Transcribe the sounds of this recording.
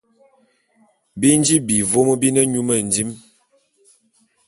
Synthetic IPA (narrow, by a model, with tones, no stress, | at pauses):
bi˦nd͡ʒi˦bi˨vo˦mə˦bi˦nə˦ɲu˦mə˦˨n˨di˦m